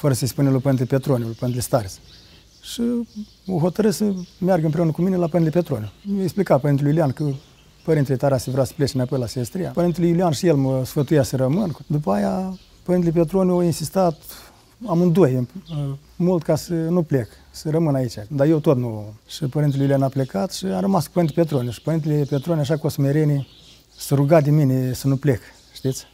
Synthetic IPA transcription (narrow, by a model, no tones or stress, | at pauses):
fəɾəsəspunelupəɾinlepet̪ɾonʲulupəɾint̪elest̪aɾs | ʃi | oɦo̞t̪əɾɨssəmearɡəɨmp̬ɾeunəkuminelapəɾinelepet̪ɾo̞nʲumjoeksplikat̪pəɾint̪elujulʲiankə | pəɾint̪elet̪aɾasevɾeasə̥plet͡ʃenapo̞jlaseest̪ɾija̰pəɾint̪elujulianʃijelməsfət̪ujasəɾəmɨnd̪upəaja | pəɾint̪elep̬et̪ɾonʲoinsist̪at̪ | amɨnd̪oj | mult̪kasənuple̞k | sərəmɨnait͡ʃʲad̪ajewt̪ot̪numʃipəɾint̪elujulianaplekat̪ʃiaɾəmasku̥pəɾint̪epet̪̬ɾonʲeʃi̥pəɾint̪elepet̪ɾonʲaʂ̬akosmeɾeni | səɾuɡat̪d̪ʲeminesənuple̞k | ʃt̪it̪sʲ